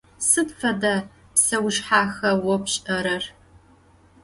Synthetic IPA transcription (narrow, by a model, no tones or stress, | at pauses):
sɨtfɐda | psɐwʃħaːxɐwɔpɕʼɐɾɐr